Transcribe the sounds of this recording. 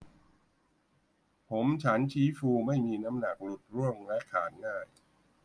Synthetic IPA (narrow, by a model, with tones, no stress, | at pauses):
pʰo˩˦mt͡ɕʰa˦˥nt͡ɕʰiː˦˥fuː˧ma˥˩jmiː˧na˦˥mna˨˩k̚lu˨˩t̪̚ɾu˥˩əŋlɛ˦˥kʰaː˩˦nŋaː˥˩j